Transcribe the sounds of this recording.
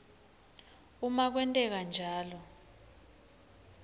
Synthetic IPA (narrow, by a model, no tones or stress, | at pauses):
umak̬wɛntʼɛk̬and͡ʒʱaːlɔ